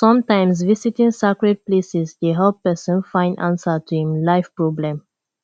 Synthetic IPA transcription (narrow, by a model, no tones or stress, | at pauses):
sʌ̃mtãɪ̃ms̬visitĩŋsakɹɛd̚plesizdeɦɛlpɛsə̃nfãɪ̃ndã̰nsətuhĩmlaɪfpɹɔblɛ̃m